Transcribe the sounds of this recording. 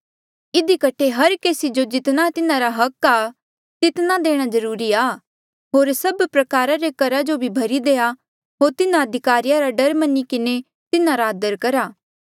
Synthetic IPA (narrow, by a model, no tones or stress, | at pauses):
ɪd̪ikɐʈʰeɦɐɾkeːsid͡ʒod͡ʒɪt̪nat̪ɪnãɾaɦɐka | t̪ɪt̪nad̪eːɽ̃azɐɾuːɾiaː | ɦoːɾsɐbpɾɐkaːɾaɾekɐɾad͡ʒobʱibʱɐɾid̪eːa | ɦoːɾt̪ɪnãɐd̪ʱɪkaːɾijaɾaɖɐɾmɐnːikɪne | t̪ɪnãɾaɐd̪əɾkɐɾaː